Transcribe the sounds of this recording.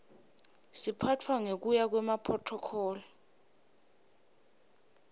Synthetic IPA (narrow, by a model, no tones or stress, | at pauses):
sipʰatʰwaŋek̬ujak̬wɛmapʰɔtʰɔkʰɔːlɔ